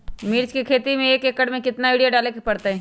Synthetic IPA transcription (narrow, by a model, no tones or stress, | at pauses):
mɪɾt͡ʃkikʰeːt̪imẽeːkekəɽmẽkɪt̪naiːɖijaɖaːlekepɐɽt̪aɦɛː